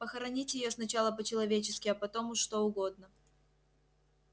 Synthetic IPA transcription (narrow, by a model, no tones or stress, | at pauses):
pəxɐɾɐnʲitʲjɪjo̞snɐt͡ɕalˠəpət͡ɕɪlˠɐvʲet͡ɕɪskʲɪɐpɐt̪o̞mʊʂt̪o̞ʊɡo̞d̪nə